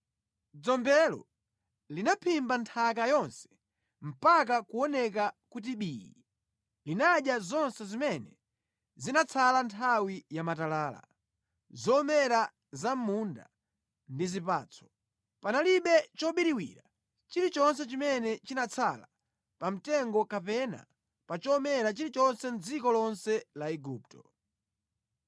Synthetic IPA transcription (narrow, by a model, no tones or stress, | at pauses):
d͡zɔmbɛlɔ̰ | linapʰimbantʰak̬ajɔnsɛ̥ | m̩pakakuɔnɛk̬akut̬iɓiːjḭ | linaɗjazɔnsɛzimɛnɛ | zinat͡sʰalantʰawijamatalaːla̰ | zɔmɛɾa | zam̩munda̰ | ndizipa̰ːt͡sʰɔ̥ | panaliɓɛt͡ʃɔɓiɾiwḭɾa | t͡ʃiɾit͡ʃɔnsɛt͡ʃimɛnɛt͡ʃinat͡sʰala̰ | pam̩tɛŋɡɔkapɛna̰ | pat͡ʃɔːmɛɾat͡ʃiɾit͡ʃɔnsɛn̩d͡zikɔlɔnsɛlaɛɡuːp̚tɔ̥